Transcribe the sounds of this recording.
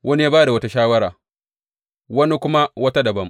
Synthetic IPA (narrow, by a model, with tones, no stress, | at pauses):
wʔɐ˦ni˦ja˦baː˦da˨wɐ˦ta˦ʃaː˦wɐ˦ɾaː˨ | wɐ˦ni˦kʷʊ˦ma˦wɐ˦ta˦dɐ˨bɐ˦m